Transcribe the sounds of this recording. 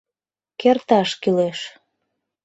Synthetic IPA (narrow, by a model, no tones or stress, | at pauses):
kert̪ɑʃkyleʃ